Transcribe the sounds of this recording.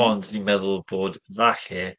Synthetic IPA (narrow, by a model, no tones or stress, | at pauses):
ɔndimɛðʊlˠboːdvaɬɨ